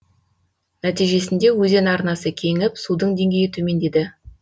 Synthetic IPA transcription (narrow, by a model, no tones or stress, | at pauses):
næt̪ijʒe̞sɪnd̪e̞wɵze̞nɑɾnɑsəkʲʰe̞ŋɪpsud̪əɴd̪e̞ŋɡʲe̞jɪt̪ʰɵme̞nd̪e̞d̪ɪ